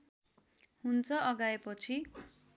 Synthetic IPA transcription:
hunt͡sʰʌʔʌɡaepʌt͡sʰi

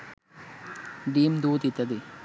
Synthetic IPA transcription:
ɖiːmd̪uːt̪it̪ɐd̪i

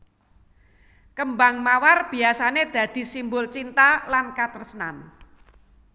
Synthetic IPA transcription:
kəmbaŋmawarb̥i̤asaned̪̥ä̤d̪̥i̤simbʊlt͡ʃint̪alankat̪ərsənan

